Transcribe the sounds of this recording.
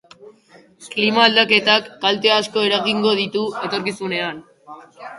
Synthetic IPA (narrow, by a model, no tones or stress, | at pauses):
klimaːld̪ake̞t̪akːalt̪e̞asko̞e̞ɾaɣiŋɡo̞ðit̪ue̞t̪o̞ɾkisune̞an